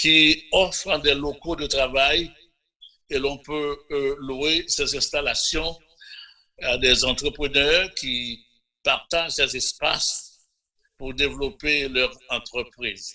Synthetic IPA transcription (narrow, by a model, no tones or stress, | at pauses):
kiɔfʁəd̪ɛlokod̪ət̪ʁavaj | elɔ̃pøluesɛzɛ̃st̪alasjɔ̃ | ad̪ɛzɑ̃t̪χəpχənœʁki | paʁt̪aʒsɛzɛspas | puʁd̪evlɔpelœʁɑ̃t̪χəpχiz